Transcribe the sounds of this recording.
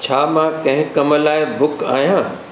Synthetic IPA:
t͡ɕʰaːmãkɐ̃ɦɪ̃kɐməlaːɪbʊka̰ːɦijãː

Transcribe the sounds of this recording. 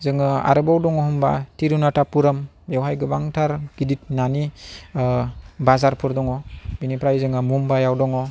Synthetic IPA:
zɯŋɯa̰ɾɯbawdɔŋɔɦumba̰tiɾunatapuɾam | jewɦajɡɯbaŋtʰaɾɡ̥idit̚nani | bazaɾpʰɯɾdɔŋɔbinipɾajzɯŋamumbajawdɔŋɔ

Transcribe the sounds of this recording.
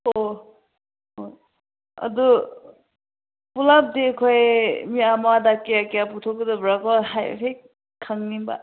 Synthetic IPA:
o | oj | ɐ̰du | pulap̚dikʰojmiamadakeakjaputʰɔkɯdɔbɾakɔɦaj̰kʰej | kʰaŋnimba̰

